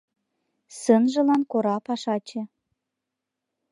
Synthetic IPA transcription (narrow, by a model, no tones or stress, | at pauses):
sə̆nʒɤ̆lɑnkoɾɑpɑʃɑt͡ɕĕ